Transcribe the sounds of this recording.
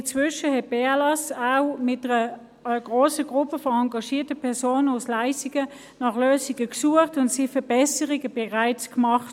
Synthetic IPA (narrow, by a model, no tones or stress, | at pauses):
ɪnt͡svʏʃəhɛt̚b̥ealɑsaʊmɪt̚dəʁə | ɡ̥ʁoːsəɡ̥ʁʊpəfɔɑŋɡɑʃiːɐtəpʰɛɐsoːnəʊslaɪsiɡ̥ə | nɑχløːsiɡəksuəχtʊntsifəb̥ɛsəʁiɡəb̥ɛʁaɪt͡skmɑχt